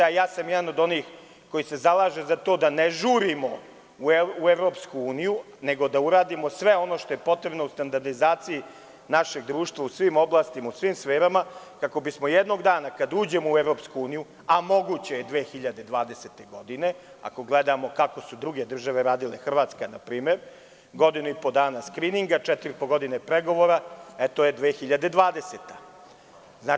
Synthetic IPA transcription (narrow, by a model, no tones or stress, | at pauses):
ajaːsamjɛd̪ano̞d̪o̞niːx | ko̞jise̞zalaːʒe̞zat̪o̞d̪aneʒuːɾimo̞ | uueʋɾo̞ːpskuuːniju | ne̞ɡo̞d̪auɾaːd̪imo̞sʋe̞o̞no̞ːʃt̪o̞jepo̞t̪ɾe̞bno̞ust̪and̪aɾd̪izaːt̪siji | naʃe̞ɡ̚d̪ɾuːʃt̪vʋausʋimo̞blˠaːst̪imausʋimsfeːɾama | kako̞bismo̞jed̪no̞ɡd̪aːnakad̪uːd͡ʑe̞moueʋɾopskuuːniju | amo̞ɡut͡ɕe̞jed̪ʋe̞ːxiʎad̪e̞d̪ʋaːd̪eset̪e̞ɡo̞d̪ine̞ | a̰ko̞ɡled̪amo̞kako̞sud̪ɾuɡe̞d̪r̩ʒaʋe̞ɾaːd̪ilexr̩ʋaːt̪skanapɾiːme̞ɾ | ɡo̞d̪inuipo̞d̪aːnaskɾiːniŋɡat͡ʃɛt̪iɾipoɡo̞d̪inepɾeɡo̞ʋo̞ɾaet̪oje̞d̪ʋeːxiʎad̪e̞d̪ʋaːd̪e̞set̪ḁ | znaː